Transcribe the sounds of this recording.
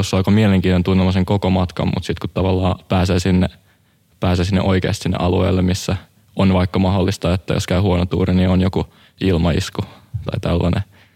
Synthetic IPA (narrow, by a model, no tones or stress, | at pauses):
osːɑˑkomieleŋkiːnt̪ont̪unːelmɑseŋkokomɑt̪kɑ̰mmʔṵt̪sit̪kut̪tɑʋɑlːɑːpæːseːsinːe | pæːseːsinːḛʔoikḛːst̪sinːḛʔɑluḛːlːemmisːæ | onʋɑikːɑmɑholːist̪ɑet̪ːæ̰jo̰skæihuonot̪ṵːɾinionjoku | ilmɑḭskut̪ɑit̪ælːɑnḛ